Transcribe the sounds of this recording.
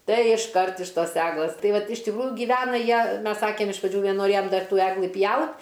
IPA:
ˈtɐɪ ɪʃˈkɐrt ɪʃ ˈtoːs ˈæːɡlˠɘs ˈtɐɪ ˈʋɐt ɪʃ tʲɪkˈruːjʊ ɡʲiːˈʋʲæːnɐ ˈjiɛ ˈmʲɛs ˈsɑːkʲeːm ɪʃ prɐˈd͡ʒʲuː nʲɛnoːˈrʲeːjoːm ˈdɐr ˈtuː ˈæːɡlˠɨ ˈpʲjɛʊt

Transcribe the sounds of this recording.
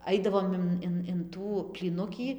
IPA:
ˈɐɪdɐʋoːm ɪn ˈɪn ɪn ˈtuː pʲlʲiːˈnʊkʲiː

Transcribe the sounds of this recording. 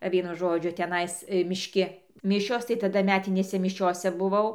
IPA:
ˈʋʲiɛnʊ ˈʒoːd͡ʒʲʊ tʲɛˈnɐɪs mʲɪʃʲˈkʲɪ ˈmʲɪʃʲoːs tɐɪ tɐˈdɐ ˈmʲæːtʲɪnʲeːsʲɛ mʲɪˈʃʲoːsʲɛ bʊˈʋɐʊ

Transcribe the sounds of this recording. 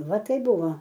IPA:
ˈʋɐ ˈtɐɪp ˈbʊʋoː

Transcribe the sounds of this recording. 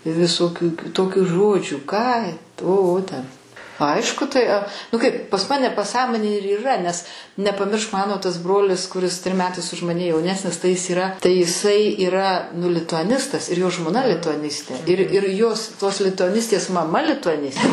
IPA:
ʋʲɪsoːˈkʲuː kʲɪˈtoːkʲuː ˈʒoːd͡ʒʲuː kɑː oː ˈoː tʲɛn ˈɐɪʃkʊ tɐɪ ɐ ˈnʊ ˈkɐɪp pɐs ˈmɑːnʲɛ pɐˈsɑːmoːnʲeːj ɪr iːˈrɐ nʲɛs nʲɛpɐˈmʲɪrʃk ˈmɑːnoː tɐs ˈbroːlʲɪs kʊˈrʲɪs tʲrʲɪm ˈmʲæːtɐɪs ʊʃ ˈmɑːnʲɛ jɛʊˈnʲæːsʲnʲɪs tɐɪ ˈjɪs iːˈrɐ tɐɪ jɪˈsɐɪ iːˈrɐ nʊ lʲɪtʊɐˈnʲɪstɐs ɪr joː ʒmoːˈnɐ lʲɪtʊɐˈnʲɪsʲtʲeː ɪr ɪr joːs toːs lʲɪtʊɐˈnʲɪsʲtʲeːs mɐˈmɐ lʲɪtʊɐˈnʲɪs

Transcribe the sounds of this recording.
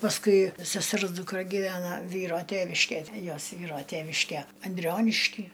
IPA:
pɐsˈkʊɪ sʲɛˈsʲɛrs dʊkˈrɐ ɡʲiːˈʋʲæːnɐ ˈʋʲiːroː ˈtʲæːʋʲɪʃʲkʲɛj ˈjoːs ˈʋʲiːroː ˈtʲæːʋʲɪʃʲkʲɛ ɐnʲˈdʲrʲoːnʲɪʃʲkʲiː

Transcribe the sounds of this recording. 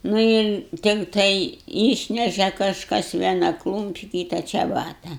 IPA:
ˈnʊ ɪr tʲɪkˈtɐɪ ˈiːʃʲnʲɛʃʲɛ kɐʃˈkɐs ˈʋʲiɛnɐ ˈklˠuːmʲpʲɪ ˈkʲiːtɐ t͡ʃʲɛˈbɑːtɐ

